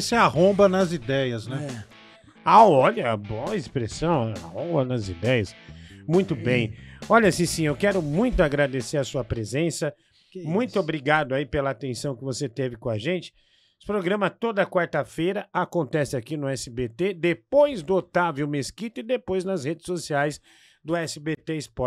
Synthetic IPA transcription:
sɪahõbɐnɐzid̪ɛjɐznɛ | aɔʎɐboɐispɾesɐ̃w̃aa̰hõbɐnɐzḭd̪ɛjɐsmũj̃t̪ʊbẽj̃ɔʎɐsĩsĩewkɛɾʊmũj̃t̪ʊaɡɾad̪eseɾɐsuɐpɾezẽsɐ | mũj̃t̪ʊobɾiɡad̪ʊaipelɐaat̪ẽsɐ̃w̃kɪvoset̪evɪkõɐʒẽnt͡ʃɪ̥ | pɾoɡɾɐ̃mɐt̪od̪ɐkwaɾt̪ɐfejɾɐakõnt̪ɛsɪakinʊɛsɪbet̪ed̪epojzd̪ʊot̪avjʊmeskit̪ʊɪd̪epojznɐzhed͡ʒɪ̥sosiajs | d̪ʊɛsɪbet̪eɪspɔɾ

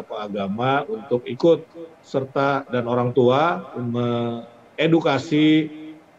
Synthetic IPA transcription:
apaːɡamaunt̪ʊkikʊt̪̚ | sərt̪adanoɾaŋt̪uamə | edukasi

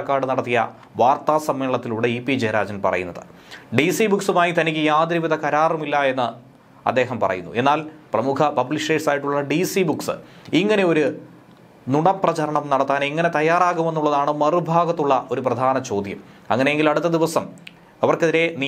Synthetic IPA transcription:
kːaːɽɨnɐɽɐt̪ːijɐ̰ | ʋaːrt̪aːsɐmːeːɭɐt̪ːiluɽeipːid͡ʑeːɾa̰ːd͡ʑɐnpɐ̰rɐ̰junːɐ̰ðɨ̥̰ | ɖisibuksumaːjit̪ɐnikʲːɨjaːd̪ɾiʋid̪ʱɐkɐɾaːrumilːɐe̞nːɨ | ɐ̰d̪ːe̞ːɦɐmpɐ̰rɐ̰jṵnːue̞nːaːlprɐmukʰɐpɐblisiʈeːʈsaːjiʈːuɭːɐɖisibuksɨ̰ | iŋːɐne̞o̞ɾu | nuɳɐprɐt͡ɕɐɾɐɳɐmnɐɽɐt̪ːaːniŋːɐne̞t̪ɐjaːraːɣume̞nːuɭːɐðaːɳɨmɐrubʱaːɡɐt̪ːuɭːɐʔo̞ɾuprɐd̪ʱaːnɐt͡ɕo̞ːd̪ʱjɐm | ɐ̰ŋːɐnejeŋɡilɐɽut̪ːɐd̪iʋɐsɐm | ɐʋɐrkeðiɾe̞ni

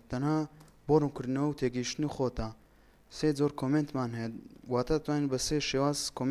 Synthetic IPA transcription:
t̪ʰɐnhaː | boɾunkɨɾd̪nɐwɐwt̪ʰeɡiiʃt̪nixot̪a | sed͡zoɾkʰoment̪maːnɦɛjwaːt̪ʰat̪ʰwaːninbɐseʃeːwaːzkʰoːm

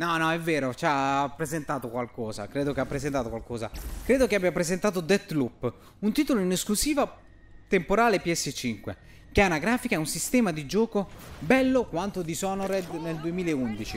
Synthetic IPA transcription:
nɔnɔɛvːeːɾot͡ʃapːɾezent̪aːt̪okwalkɔːza̰kɾeːd̪okeapːɾezent̪aːt̪okwalkɔːza̰kɾeːd̪okeabːjapɾezent̪aːt̪od̪ɛt̪lupː | unt̪iːt̪oloinesklusiːva | t̪empoɾaːlepiɛsːet͡ʃiŋkwḛ | k̟eanaɡɾaːfikaɛunsist̪ɛːmad̪id͡ʒɔːkobɛlːokwant̪od̪isɔnoɾɛd̪neld̪uemiːleeund̪it͡ʃi

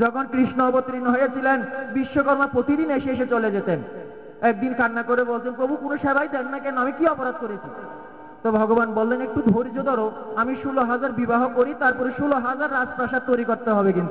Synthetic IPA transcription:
d͡ʑɔkʰonkɾiʃnoɔpot̪ːɾinoɦojat͡ɕʰilenbiʃːokɔɾmapɾot̪id̪ineʃeeʃet͡ɕoled͡ʑet̪en | ɛk̚d̪inkanːakoɾebolt͡ɕʰenpɾobʱukunoʃɛbʱajd̪ɛkʰnakɛnoamikiɔpoɾad̪̚koɾet͡ɕʰi | t̪obʱɔɡobanbolːenek̚ʈubʱoɾid͡ʑod̪ɔɾoamiʃuloɦad͡ʑaɾbibaɦokoɾit̪aɾpɔɾeʃuloɦad͡ʑaɾːad͡ʑpɾaʃat̚t̪ojɾikoɾt̪eɦɔbekint̪u

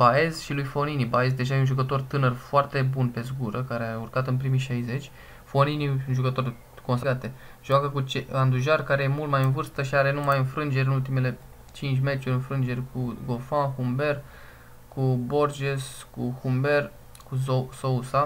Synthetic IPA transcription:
bae̞zʃilujfo̞ninibae̞zd̪e̞ʒajeunʒukət̪o̞rt̪ɨnərfoart̪e̞bunpe̞zɡuɾəkaɾeaurkat̪ɨnpɾimiʃajze̞t͡ʃʲ | fo̞niniunʒukət̪o̞r | ko̞nsɡat̪e̞ | ʒ̥oakəkut͡ʃeand̪uʒarkaɾe̞jemult̪majɨnvɨrst̪əʃiaɾe̞numajɨnfɾɨnd͡ʒe̞ɾʲɨnult̪ime̞le̞ | t͡ʃint͡ʃʲme̞t͡ʃuɾʲɨnfɾɨnd͡ʒe̞rʲkʰuɡo̞lfanxumbe̞r | kubo̞rd͡ʒeskuxumbe̞r | kuosousa

